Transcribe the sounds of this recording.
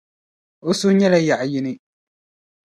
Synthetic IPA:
o˦sʊ˦ɲɛ˦la˦ja˨ʔjɪ˦nɪ˦

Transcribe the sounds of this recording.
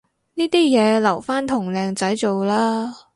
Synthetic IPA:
niː˥t̪iː˥jɛː˨˧lɐ˨˩wfaː˥nt̪ʰʊ˨˩ŋlɛː˨˧ŋt͡sɐ˨˥jt͡so˨wlaː˥

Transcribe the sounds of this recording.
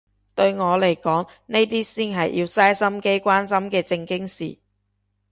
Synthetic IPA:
t̪ɵ˧ɥŋɔː˨˧le˨˩jkɔː˨˥ŋ | ne˥jt̪iː˥siː˥nɦɐ˨jjiː˧wsaː˥jsɐ˥mke˥jkʷwaː˥ns̬ɐ˥mkɛː˧t͡sɪ˧ŋkɪ˥ŋsḭː˨˩

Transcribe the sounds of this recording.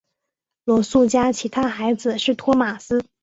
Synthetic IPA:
lwɔ˧˥su˥˩t͡ɕja˥t͡ɕʰi˧˥t̪ʰa˥xa˧˥ɪd͡zɹ̩˨˧ʂɻ̩˥˩t̪ʰwɔ˥ma˨˩sɹ̩˥

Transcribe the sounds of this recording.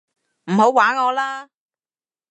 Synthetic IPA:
m̩˨˩ho˨˥waː˨˥nŋɔː˨˧laː˥

